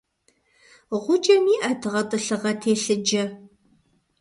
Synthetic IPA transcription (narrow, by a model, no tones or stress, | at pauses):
ʁʷʊd͡ʒʼɐmiːʔɐtʰɨʁɐtʼɨɬɨʁɐtʰeːɬɨd͡ʒɐ